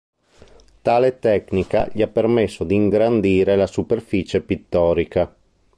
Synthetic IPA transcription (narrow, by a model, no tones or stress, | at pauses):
t̪aːlet̪ɛknika̰ʎiapːermesːod̪iːŋɡɾand̪iːɾelasuperfiːt͡ʃepit̪ːɔːɾika